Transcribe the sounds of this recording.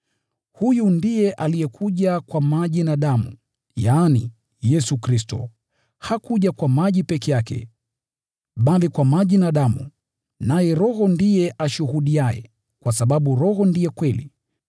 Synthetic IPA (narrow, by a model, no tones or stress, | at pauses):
hujundijɛʔalijɛkʰuʄakwamaʄinaɗamṵ | jaːnḭ | jɛsukɾistɔ̰ | hakuʄakwamaʄipɛkɛjakɛ̰ | ɓalikwamaʄinaɗamu | najɛɾɔhɔndijɛʔaʃuhuɗiajɛ̰ | kwasaɓaɓuɾɔhɔndijɛkwɛlḭ